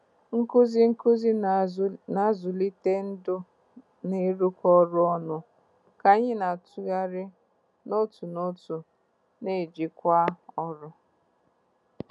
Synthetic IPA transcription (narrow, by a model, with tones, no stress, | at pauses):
ŋ̩˦kʊ˦zi˦ŋ̩˦ʊ˦zi˦ | na˨˦zʊ˨li˦te˦n̩˦dʊ˦ | ne˦ɾu˦kʷɔ˦ɾʊ˦ɔ˦nʊ˦ | ka˨ɲɪ˦na˨tu˨ɣa˦ɾɪ˦ | no˦tu˨no˦tu˨ | ne˦˨d͡ʒi˦kʷa˦ɔ˦ɾʊ˦